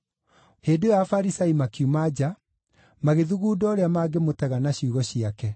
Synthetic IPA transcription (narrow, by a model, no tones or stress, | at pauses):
heːdojafaɾisaimakiumad͡ʑa | maɣeðuɣuːdɔːɾeamaːɡemotɛɣanaɕiuɣɔɕiakɛ